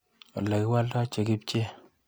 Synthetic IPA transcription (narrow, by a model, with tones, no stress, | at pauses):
ɔ̰˨la˨kɪ˦wa˦lta˦t͡ʃe˨kɪ˦p̚t͡ʃe˦